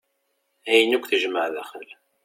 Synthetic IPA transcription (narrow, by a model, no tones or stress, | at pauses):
æjənukʷθəʒməʕðæχəl